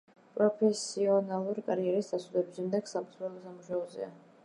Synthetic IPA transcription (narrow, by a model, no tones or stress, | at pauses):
pʼɾɔpʰɛsiɔnalˠuɾikʼaɾiɛɾisʰʼasud̪ɛbiʃɛmd̪ɛɡ̥sapsɾɛlˠɔsamuʃaɔzɛ̰a̰